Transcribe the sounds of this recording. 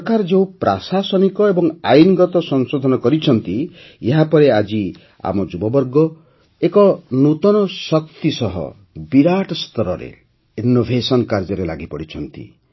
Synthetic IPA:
pɔkaɾɔd͡ʒew̃pɾasasɔnikɔebɔŋajniɡɔt̪ɔsɔnsod̪ʱɔnɔkɔɾit͡ʃʰɔnt̪i | eɦapɔɾead͡ʒi | a̰mɔd͡ʒubɔbɔɾɡɔ | ekɔnut̪ɔnɔsɔk̚t̪isɔɦɔ̰ | biɾaʈɔst̪ɔɾɔɾḛ | inːobʱesɔnkaɾd͡ʒɔɾelaɡipɔɽit͡ʃʰɔnt̪ḭ

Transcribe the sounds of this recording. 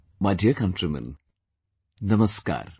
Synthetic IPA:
mɐdʱjɐkɐnʈrɐmɐ̰n | nɐmɐska̰ːr

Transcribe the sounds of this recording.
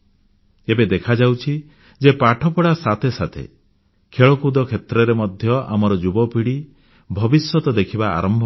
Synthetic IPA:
ebed̪ekʰad͡ʒawt͡ʃʰi | d͡ʒepaʈʰɔpɔɽasat̪ʰesat̪ʰḛ | kʰeɭɔkud̪ɔkʰet̪ɾɔɾemɔd̪ʱjɔʔa̰mɔɾɔd͡ʒubɔpiɽi | bʱɔbisjɔt̪ɔd̪ekʰiba̰ːɾɔmbʱ

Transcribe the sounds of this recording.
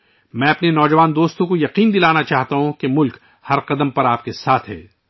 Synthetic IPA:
mɛ̃ːɐpnenɔːd͡ʒɐʋaːnd̪oːst̪õkojɐqiːnd̪ɪlaːnat͡ʃaːɦt̪aɦũkemʊlk | hɐɾqɐd̪əmpɐɾaːp̚kesaːt̪ʰɦɛ̰ː

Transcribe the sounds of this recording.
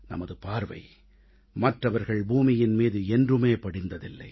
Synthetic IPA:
nɐ̰mɐðɯpaːɾʋɐ̰ɪ | mɐʈrɐʋɐɾɣɐɭbuːmɪjɪnmiːðɯɛndrɯmeːpɐɽɪnd̪ɐðɪlːɐ̰ɪ

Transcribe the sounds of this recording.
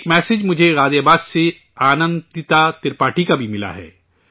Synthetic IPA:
kmɛːsɪd͡ʒmʊd͡ʒʱeɾaːd̪jabaːsse | aːnə̃nd̪ɪt̪at̪ɪɾpaːʈikabʱimɪla̰ɦɛ̰ː

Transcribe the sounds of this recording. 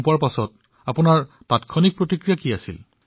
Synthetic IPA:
puaɹpasɔt | apʊnaɹ | patkʰɔnik̚pɹotikɹijakiasḭl

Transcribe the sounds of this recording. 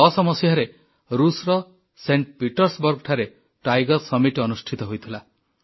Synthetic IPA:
ɔsɔmɔsjaɾe | ɾusɾɔ | seɳʈpiʈɔɾsbɔɾɡɔʈʰaɾe | ʈajɡɔɾsɔmiʈɔnusʈʰit̪ɔɦojt̪ʰila

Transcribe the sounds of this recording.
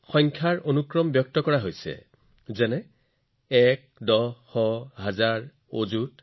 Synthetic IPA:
xɔŋkʰjaɹonukɹɔmbjɔk̚tɔkɔɹaɦojsɛ̰ | zɛnɛ | ɛk̚ | dɔxɔɦazaɹ | o̰zut

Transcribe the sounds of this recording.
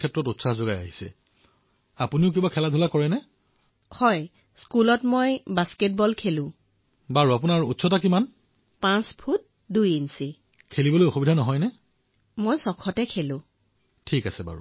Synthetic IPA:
kʰɛtɹɔtutsahzoɡaja̰ɦisɛ̰ | apuniʊk̬ibakʰɛladʱulakɔɹɛnɛ | hɔj | skulɔtmojbasket̚bɔlkʰelʊ̃ | baɹuapunaɹutsɔtakiman | pãspʰut̚ | dujinsi | kʰelibɔlojoxubidʱanɔɦɔjnɛ | mojsɔkʰɔtɛkʰelʊ̃ | tʰikasɛba̰ɹṵ

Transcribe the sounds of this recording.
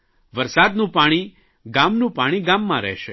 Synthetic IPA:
ʋəɾsad̪nũpaɽ̃i | ɡamnũpaɽ̃iɡamːãɾɛ̰ɦʃe

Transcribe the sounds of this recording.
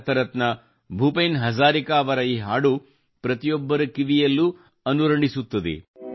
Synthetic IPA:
t̪ɐɾɐt̪nɐ | bʱuːpeːnɦɐzaːɾikaːʋɐɾɐiːɦaːɽu | pɾɐt̪ijɔbːɐɾukiʋijɐlːu | ɐnuɾɐɳɖisut̪ːɐd̪ḛ

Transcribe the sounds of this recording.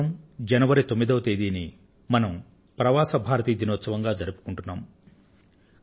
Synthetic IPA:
ɐmd͡ʒɐnɐʋɐɾit̪omːid̪ɐwɐt̪eːd̪iːni | mɐnɐm | pɾɐʋaːsɐbʱaːɾɐt̪iːd̪inɔːt̪sɐʋɐŋɡaːd͡ʒɐɾupu̥kuɳʈunːaːm

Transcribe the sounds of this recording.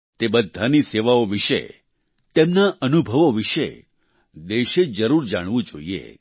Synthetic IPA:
t̪ebəd̪ʱːaniseʋaoʋiʃḛ | t̪emnaʔənubʱəʋoʋiʃe | d̪eʃed͡ʒəɾuɾd͡ʒaɽ̃ʋũd͡ʒo̰iḛ

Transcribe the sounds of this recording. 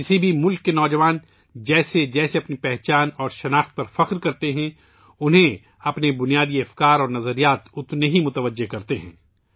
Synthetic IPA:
kɪsibʱimʊlkːenɔːd͡ʒɐʋaːn | d͡ʒɛːsed͡ʒɛːseɐpnipɛɦt͡ʃaːnɔːɾʃɐnaːxt̪̚pɐɾfɐqɾkɐɾt̪eɦɛ̃ | ʊnɦẽ | ɐpnebʊnijaːd̪iɐfkaːɾɔːɾnɐzəɾijaːt̪ʊt̪neɦimʊt̪əʋəd͡ʒːekɐɾt̪eɦɛ̰̃ː

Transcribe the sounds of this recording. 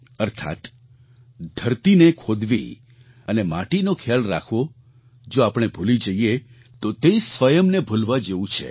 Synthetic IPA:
əɾt̪ʰa̰t̪ | d̪ʱəɾt̪inekʰod̪ʋḭ | ənemãʈinokʰjalɾa̰kʰʋo | d͡ʒoapɳ̃ebʱulid͡ʒəie | t̪ot̪eisʋəjəmnebʱulʋad͡ʒeʋũt͡ʃʰḛ

